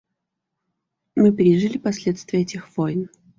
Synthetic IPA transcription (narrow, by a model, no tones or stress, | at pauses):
mɨpʲɾʲɪʐɨlʲɪpɐsʲlʲet̪st̪vʲɪjəɛtʲɪxv̥ojn